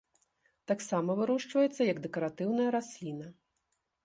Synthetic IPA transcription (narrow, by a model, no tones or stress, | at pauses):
t̪aksamɐvɨɾɔʂt͡ʂvɐjɛt̪sːɐjɐɡd̪ɛkɐɾat̪ɨwnɐjɐɾasʲlʲinɐ